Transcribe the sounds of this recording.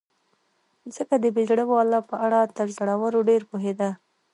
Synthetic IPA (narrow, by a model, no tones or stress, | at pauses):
zəkad̪əbed͡ʒɽəwoalːɑpəʔaɽat̪əɾzaɽawəɾoɖeɾpoɦed̪a